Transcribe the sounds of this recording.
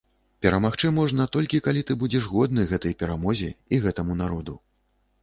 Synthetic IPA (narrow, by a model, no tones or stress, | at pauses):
pʲɛɾɐmaxt͡ʂɨmɔʐnɐt̪ɔlʲkʲikalʲit̪ɨbud͡zʲɛʐɣɔd̪nɨɣɛt̪ɐjpʲɛɾamɔzʲɛ̰iɣɛt̪ɐmunaɾɔd̪u